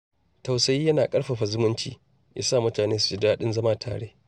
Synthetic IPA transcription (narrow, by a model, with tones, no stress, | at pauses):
tɐ˨wsɐ˨˦jiː˦jɐ˦naː˨kʼɐ˦ɽɸa˨ɸa˨zʊ˦mʊ˦nt͡ʃḭː˨ | jʔa̰˨saː˦˨mʊ˦taː˨neː˦su̥˨t͡ʃɪ˦daː˦ɗɪ˦nzɐ˦maː˦tʰa̰ː˨ɽeː˦